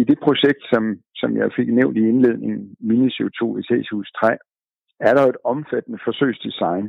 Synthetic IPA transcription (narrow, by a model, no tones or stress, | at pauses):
id̥e̝pʰʁo̝ɕeɡ̥̚d̥sɒ̽msɒ̽mjɑ̈ɪfe̝ɡ̥neʊnd̥ie̝nle̝ð̰ˠne̝ŋn̩minəset͡sʰo̝̰ːit͡sʰɛ̰ːsʰuːst͡sʰʁɛː | æɐɾ̥ɑe̝d̥ɒ̽mfæd̥nəfɒ̽sø̰ːsd̥isɑ̈ɪn